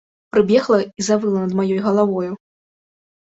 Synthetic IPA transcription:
pɾɨbʲjɛxlˠɐizavɨlˠɐnɐd̪majɔjɣɐlˠavɔju

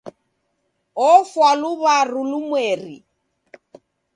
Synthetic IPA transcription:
ɔfwalʊβarʊlʊmweːrḭ

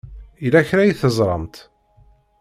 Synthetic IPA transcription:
ilæçɾæjiθəzˤɾˤɑmt̪

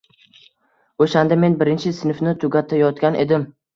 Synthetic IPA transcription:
oʃand̪ame̞nbɪɾɪnt͡ʃʰɪsɪnɪfnɪt̪ʰʊɡʲat̪ʰːajɒt̪̚kʲanʔe̞d̪ɪm

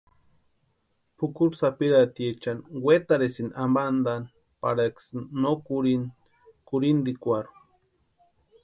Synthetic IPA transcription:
pukuɾsapiɾat̪iet͡ʃanwet̪aɾesinamband̪an | pa̰ɾaksːokuɾin | kuɾind̪ikʷaɾu̥

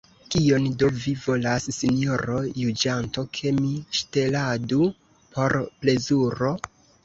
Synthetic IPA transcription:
kio̞ndo̞vivo̞lasːinijo̞ɾo̞jud͡ʒanto̞kʰe̞miʃte̞ladu | po̞ɾple̞zuɾo̞

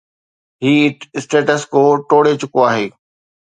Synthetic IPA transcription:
ɦiːɪsʈeːʈəskoːʈoːɽet͡ɕʊkoaːɦeː

